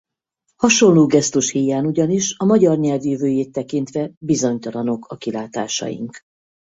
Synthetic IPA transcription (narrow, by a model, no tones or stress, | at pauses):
hɒʃo̞nloːɡɛst̪uʃhijaːnuɟɒniʃɒmɒɟɒrɲɛlvjyvøːjeːt̪ːɛkint̪ʋɛbizo̞ɲt̪ɒlɒno̞kʰɒkilaːt̪aːʃɒ̰jḭŋk